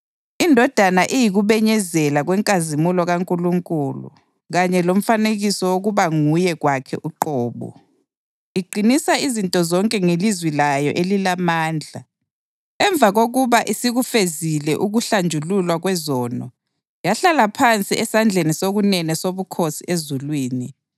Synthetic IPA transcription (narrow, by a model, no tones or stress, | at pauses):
indʱɔd̥ʱanaʔijiɣuβɛɲɛzɛlaɣwɛŋkʼazimulɔɣaŋkʼuluŋkʼuːlṵ | ɣaɲɛlom̩faneɣisɔwoɣuβaŋujɛɣwakʰɛ̰ʔuǃɔːβɔ̰ | iǃʱinisaizintʼɔzɔŋkʼɛŋelizwilajɔʔelilamaːnd͡ɮʱa | ɛɱb̪vʱaɣoɣuβaʔisiɣufezilɛʔuɣuɬand͡ʒʱululwaɣwɛzɔːnɔ̰ | jaɬalapʰant͡sʼiʔɛsand͡ɮʱenisoɣunɛnɛsoβukʰosiʔezulwiːni